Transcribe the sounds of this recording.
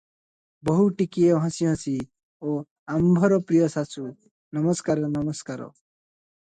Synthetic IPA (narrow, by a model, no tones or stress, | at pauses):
bɔɦuʈikieɦʌ̃siɦʌ̃si | o | ambʱɔɾɔpɾijɔsasʰu | nʌmɔskaɾɔnʌmɔskaɾɔ̰